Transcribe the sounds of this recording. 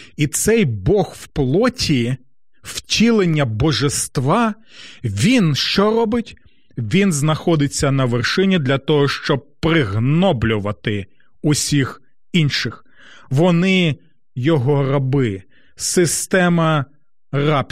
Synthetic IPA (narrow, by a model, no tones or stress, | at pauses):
it̪sɛjbɔxwplˠɔtʲʰi | wtʲilˠenʲːɐbɔʒest̪ʋɑ | ʋʲinʃt͡ʃɔrɔbɪtʲ | ʋʲinznɐxɔd̪ɪt͡sʲːɐnɐʋerʃɪnʲid̪lʲɐt̪ɔɦɔʃt͡ʃɔb̚pɾɪɦnɔblʲʊʋɐt̪ɪ | ʊsʲix | inʃɪx | ʋɔnɪ | jɔɦɔrɐbɪ | sɪst̪ɛmɐ | rɑp